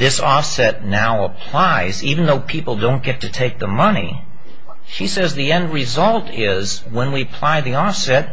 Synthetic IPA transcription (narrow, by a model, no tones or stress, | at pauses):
ðɪsɔfsɛtⁿnaʊəpʰl̥aɪzivn̩ðoʊpʰipl̩ˠdõʊ̃nɡ̥ɛtʰɨtʰeɪk̚ðəmʌnḭ | ʃisɛzðiɛ̃nd̚ɹɪzʌlˠtʰɪ | z | wə̃nwiɨpʰl̥aɪðiɔfsɛt̚